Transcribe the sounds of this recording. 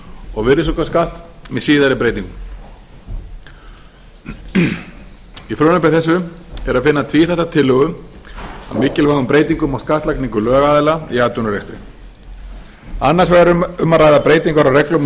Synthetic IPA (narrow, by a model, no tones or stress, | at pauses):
ɔɣvɪðɾɪs̬okaskaht̪mɛðsiːðaɾɪpɾeːjt̪iŋkʏm | ifɾœːnʏpɛɾθɛsːʏɛɾaðfɪnːat̪ʰviːθɛht̪ːat̪ʰɪlːœːɣʏm | a̰ðmɪːcɪlvaɣʏmpɾeːjt̪̬iŋkʏmawskaht̪lakniŋkʏlœːɣaːðɪlaiaːt̪ʏnʏɾejst̪ɾɪ̰ | anːaɾ̥svaɾʏʏmːaraːjðapɾeːjt̪iŋkaɾawrɛklʏm